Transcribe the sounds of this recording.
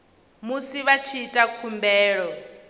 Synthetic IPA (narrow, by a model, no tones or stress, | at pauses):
musiβat͡ʃʰiːtʼakʰumbɛːɺɔ